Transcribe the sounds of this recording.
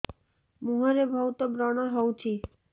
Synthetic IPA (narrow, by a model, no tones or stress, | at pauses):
muɦɔɾebʱɔut̪ɔbɾɔɽ̃ɔɦɔwt͡ʃʰi